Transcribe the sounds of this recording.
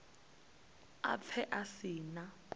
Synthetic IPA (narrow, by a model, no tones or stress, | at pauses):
a̰p̪ʰɛʔasinakʼ